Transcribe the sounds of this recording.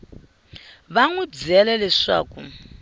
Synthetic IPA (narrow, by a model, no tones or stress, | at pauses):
βaŋud͡zɛlɛlɛʂa̰ːku